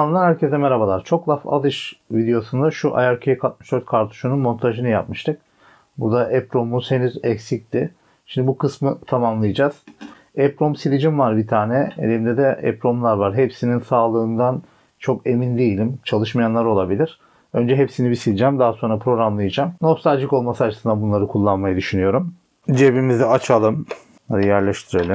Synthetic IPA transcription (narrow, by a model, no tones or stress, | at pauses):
amnd̪anæɾcʰet̪ɛmeɾabalˠaɾ̥t͡ʃʰo̞klˠafa̰d̪ɯʃvid̪ejo̞sund̪aʃuʔa̰jaɾcʰekʰat̪̚mɯʃd̪øɾt̪̚kʰaɾt̪ʰu̥ʃununmo̞nt̪ʰaʒɯnɯjap̚mɯʃt̪ʰɯk̚ | bud̪aʔɛpɾo̞museniɾɛcsic̚t̪i | ʃimd̪ibukɯsmɯt̪ʰamamlˠɯjɯd͡ʒaz̥ | ɛpɾomsilʲid͡ʒimvaɾbit̪ʰaːnɛḛd̪ʲeimd̪ɛd̪ɛɛ̰pɾo̞mlˠaɾvaɾɦepsininsaːlˠɯːnd̪an | t͡ʃʰo̞ke̞mind̪ejilʲimt͡ʃʰalˠɯʃmajanlˠaɾo̞lˠabilʲiɾ̥ | ø̞nd͡ʒɛɦepsinibisilʲid͡ʒæmd̪aɦaso̞nɾapʰɾo̞ɡɾamlˠajad͡ʒamnofst̪alʲd͡ʒɯko̞lˠmasɯat͡ʃʰɯsɯnd̪abunlˠaɾɯkʰulˠːanmajad̪yʃynyjo̞ɾum | d͡ʒebimizd̪ɛat͡ʃʰalˠɯm | ad̪ijæɾlʲɛʃt̪ʰiɾelʲˠɯm